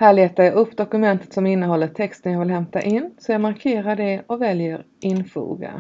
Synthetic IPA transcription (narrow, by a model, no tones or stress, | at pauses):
hæːɭeːt̪aɾjaɡɵpːd̪ɔkɵmɛnt̪ə̥t̪sɔmɪnːəɦɔlːəʈʰɛkst̪ənjɑːɡvɪlhɛmt̪aʔɪnːsɔjɑːɡmaɾkʰeːɾaɖɛɔvɛljəɾ | ʔɪnfṵːɡa̰